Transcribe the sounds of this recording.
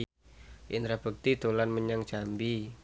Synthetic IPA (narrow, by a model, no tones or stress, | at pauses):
ʔɪnt̪ɾab̥ək̚t̪id̪̥o̤lanməɲaŋ̥ʒ̥ambi